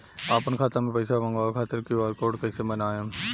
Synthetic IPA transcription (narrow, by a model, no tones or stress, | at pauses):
aːpənkʰaːt̪amẽpəɪsaʋə̃ŋɡaːkʰaːt̪ɪɾkiaːlkoːʈkəɪsemənaːjãː